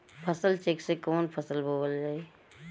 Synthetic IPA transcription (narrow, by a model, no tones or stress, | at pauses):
pʰəsəlt͡ʃeːksekɔːnpʰəsəlbʱoːʋəld͡ʒaːe